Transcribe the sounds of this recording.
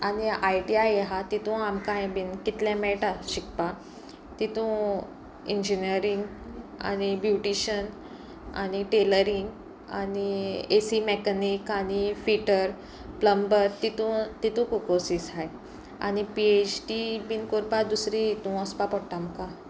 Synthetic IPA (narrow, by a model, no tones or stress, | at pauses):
aniajʈiajeɦat̪it̪ũamkãẽbinkit̪ljãmɛʈaɕik̚pa | t̪it̪ũ | iɲd͡ʑiniəɾiŋɡ | a̰ñibjuʈiɕən | a̰ɽ̃iʈeləɾiŋɡ | a̰niesimekanikaɽ̃ifiʈəɾ | pləmbəɾt̪it̪ũt̪it̪ũkukosisɦaj | a̰ñipiet͡ɕʈibinkoɾpad̪usɾiit̪ũɔspapɔɽʈ̪amkã